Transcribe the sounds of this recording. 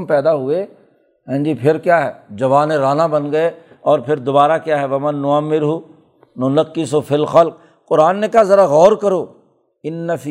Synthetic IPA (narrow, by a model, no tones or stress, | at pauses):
pɛːd̪aɦʊe | ɦɛ̃ːd͡ʒipʰɪɾkjaːɦɛːd͡ʒɐʋaːnẽɾaːnabɐnɡɐe | ɔːɾpʰɪɾd̪ʊbaːɾakjaːɦɛʋɐmɐnːʊəmːɪɾɦuː | nʊnəkːɪsɦofɪlxɐlq̚ | qʊɾaːnːekazɐɾaɣɔːɾkɐɾoː | ɪnːɐfi